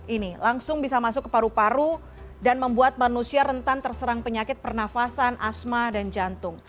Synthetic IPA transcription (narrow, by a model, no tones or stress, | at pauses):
ʔinilaŋsʊŋbisamasʊkːə̥paɾupaɾu | danməmbuat̪̚manusiaɾənt̪ant̪ərsəɾaŋpəɲakɪt̪̚pərnafasanʔasmadand͡ʒant̪ʊŋ